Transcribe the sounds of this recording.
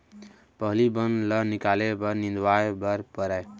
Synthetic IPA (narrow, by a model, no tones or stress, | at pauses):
pəɦlibənlənikalebəɾnĩnd̪waebəɾpəɾɛ